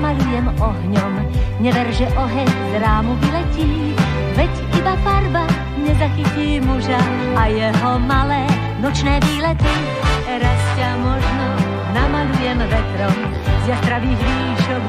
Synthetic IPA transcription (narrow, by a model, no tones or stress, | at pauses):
malujɛmɔɦɲɔm | ɲɛvɛɾʒɛʔɔɦɛɲzɾaːmuvilɛciː | vɛcʔibafaɾba | ɲɛzaxiciːmuʒa | ajɛɦɔmalɛː | nɔt͡ʃnɛːviːlɛt̪i | ɾascamɔʒnɔ | namalujɛmvɛt̪ɾɔm | zjat̪ɾaviːɣɾiːʃɔk